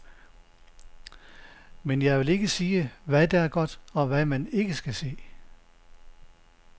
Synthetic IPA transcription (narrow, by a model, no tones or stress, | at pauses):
menjɑ̈ɪʋe̝le̝ɡ̥əsiːəʋæd̥ææɐɡ̥ɒ̽d̥ɒ̽ʋæmæne̝ɡ̥əsɡ̥æse̝̰ː